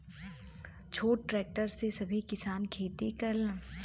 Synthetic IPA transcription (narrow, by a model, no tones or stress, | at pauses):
t͡ʃʰoːʈːʈɾɛːk̚ʈəɾsesɐbʱikɪsaːnkʰeːt̪ikɐl